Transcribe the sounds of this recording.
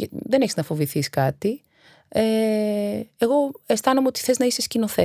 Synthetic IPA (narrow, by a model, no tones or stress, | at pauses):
ðe̞neçiznɐfo̞viθiskɐt̪i | e | eɣo̞est̪ɐnomeo̞t̪i̥θe̞znɐise̞scino̞θe